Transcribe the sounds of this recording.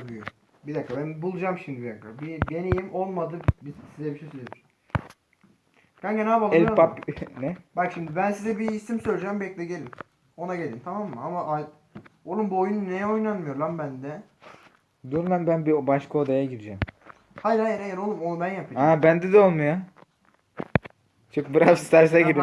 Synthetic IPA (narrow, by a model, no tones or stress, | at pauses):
dyjo | bid̪akʰːabænbulˠud͡ʒamʃimibid̪akʰːabib̪enejimo̞lˠmad̪ɯbizsizɛbiʃejsølʲed̪yɾ | kanɟenaːbalˠɛlpapnɛbakʃimd̪ibænsizɛbiːsimsølʲd͡ʒɛmbɛcd̪ʲɛɟelʲin | o̞naɟelʲint̪ʰamamːɯamaʔa | olˠumbuojunnejɛojnanmɯjo̞ɾlˠambænd̪ɛ | d̪uɾlˠanbænbibaʃkʰaod̪ajaɟid̪id͡ʒɛm | hajajanejɛnolˠumo̞nubænjapʰiabænd̪ɛd̪ɛo̞lˠmuja | t͡ʃʰok̚bɯɾasist̪æɾsɛɡid̪im